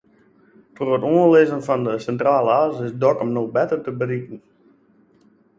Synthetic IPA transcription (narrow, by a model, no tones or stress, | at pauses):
tʰorətoənlɪzənfɔndəsɛntraːləaːzɪsdɔkɔmnoxbɛtərtəbərikən̩